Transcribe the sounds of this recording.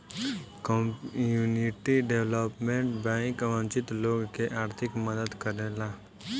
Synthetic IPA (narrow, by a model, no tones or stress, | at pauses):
kɔuːniʈiɖeʋləpmẽɳʈbɛ̃ːŋkʋə̃nt͡ʃɪt̪loːɡkeʔaːɾt̪ʰɪkməd̪əd̪kəɾeːlaː